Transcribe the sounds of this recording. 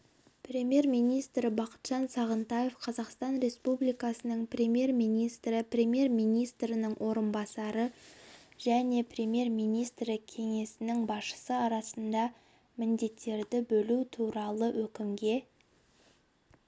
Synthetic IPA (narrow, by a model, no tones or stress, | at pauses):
prʲe̞mʲje̞rmijnijst̪ɾɪbɑqə̥t̪ʒ̥ɑnsɑʁənt̪ɑje̞fqʰɑzɑqst̪ɑnɾe̞spublijkɑsənəɴprʲe̞mje̞rmijnijst̪ɾɪprʲe̞mje̞rmijnijst̪ɾɪnəɴwʔo̞ɾənbɑsɑɾə | ʒ̥æne̞pʰrʲe̞mje̞rmijnijst̪ɾɪkʲʰe̞ŋe̞sɪnɪŋbɑsʃə̥səɑɾɑsənd̪ɑ | mɪnd̪e̞t̪ːe̞ɾd̪ɪbɵlut̪ʰuɾɑlˠəwɵkʲɪmɡʲe̞